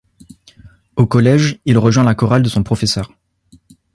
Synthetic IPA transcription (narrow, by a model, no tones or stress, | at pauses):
okɔlɛʒilʁəʒwɛ̃lakɔʁald̪əsɔ̃pχɔfɛsœːʁ